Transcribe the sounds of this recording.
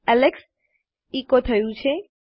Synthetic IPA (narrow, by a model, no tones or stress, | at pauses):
ɛleks | ikot̪ʰəjũt͡ʃʰe